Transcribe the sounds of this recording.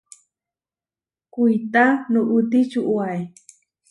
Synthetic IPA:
kujt̪anuʔut̪it͡ʃuʔuaj

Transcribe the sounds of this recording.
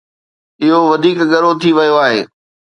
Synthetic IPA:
ɪɦoʋɐd̪ʱiːkɠɐɾot̪ʰiʋɐjoaːɦeː

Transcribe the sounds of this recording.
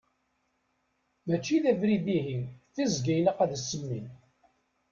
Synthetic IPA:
mæt͡ʃːiðævɾiðiɦiθizɡæjləqæðsːəmːin

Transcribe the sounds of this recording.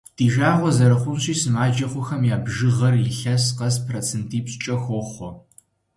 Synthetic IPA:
d̥iːʒaːʁʷɔzɐɾɐχʷʊnɕiːsɨmaːd͡ʒɐχʷʊxɐmjaːbʒɨʁɐrlɪɬɐsqɐspʰrot͡sʰentʰiːpɕt͡ʃʼɐxʷɔχʷɔ

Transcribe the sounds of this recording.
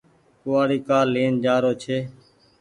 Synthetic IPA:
kʊʋaːɽiːkaːleːnd͡ʒaːɾoːt͡ʃʰeː

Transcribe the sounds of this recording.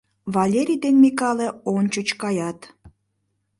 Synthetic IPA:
βɑlʲeɾʲijd̪enmikɑleont͡ɕut͡ɕkɑjɑt̪

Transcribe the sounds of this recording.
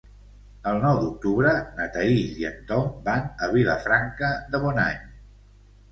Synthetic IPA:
əlˠnɔwd̪uk̚t̪uβɾənət̪əiʎiə̰nt̪ɔmbanəβ̞ilə̰fɾaŋkəðəβɔna̰ɲ

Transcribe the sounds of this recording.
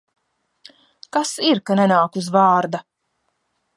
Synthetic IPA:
kasiɾkanɛnaːkuzvaːɾd̪a

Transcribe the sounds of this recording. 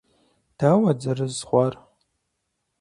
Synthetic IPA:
d̥aːwɐd͡zɐrɨzχʷar

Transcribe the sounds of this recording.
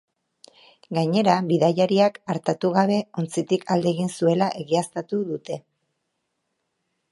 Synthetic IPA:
ɡaɲe̞ɾaβiðajaɾiakaɾt̪at̪uɣ̞aβ̞e̞o̞nt͡sit̪ikʰald̪e̞ɣinsue̞laʔe̞ɣiast̪at̪uðut̪e̞

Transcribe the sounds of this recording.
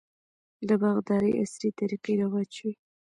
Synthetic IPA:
ləbaɣd̪ɑɾəjʔa̰sɾit̪aɾiqiɾawɑt͡ʃwi

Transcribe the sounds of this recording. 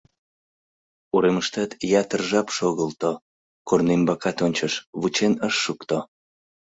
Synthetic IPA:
uɾeməʃt̪ɑt̪jɑt̪ərʒɑpʃoɣəlt̪o | kornembɑkɑt̪onʲt͡ɕəʃβut͡ɕenəʃːukt̪o

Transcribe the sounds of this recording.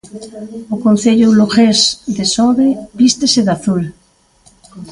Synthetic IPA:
okõnθeʎuluxezðesɔβebist̪eseðaθul

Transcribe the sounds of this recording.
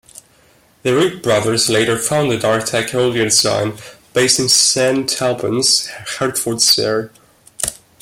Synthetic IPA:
ðəɹʉt̚b̥ɹʌðə˞zleɪɾə˞fãʊ̃ndɨdɑɹtʰɛknoʊlˠdiɨ̃nsã̰ɪ̃nb̥eɪstɪ̃nsæ̃ntʰɛlˠbə̰̃nz̥hɛɹdfɔɹdsɛ̰ɹ

